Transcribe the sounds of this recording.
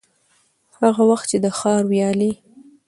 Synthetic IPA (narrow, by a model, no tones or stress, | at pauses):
haɣawaxt̪̚t͡ʃed̪əxɑɾwjɑli